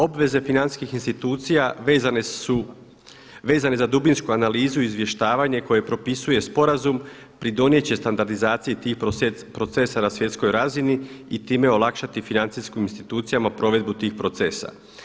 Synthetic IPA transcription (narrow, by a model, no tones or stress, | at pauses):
o̞bʋe̞ze̞finaniskixinst̪it̪uːt̪sijaezanu | ʋe̞ːzane̞zad̪ubinskuanaliːzuiizʋje̞ʃt̪aːʋaɲe̞ko̞je̞pɾo̞pisuje̞spo̞ɾazum | pɾid̪o̞nje̞t͡ɕe̞st̪and̪aɾd̪izaːt̪sijit̪iːxpɾo̞t̪se̞sanasʋje̞t̪sko̞jɾaziniit̪iːme̞o̞lˠakʃat̪ifinant̪siskiminst̪it̪uːt̪sijamapɾo̞ʋe̞d̪̚but̪iːxpɾot̪se̞ːsa̰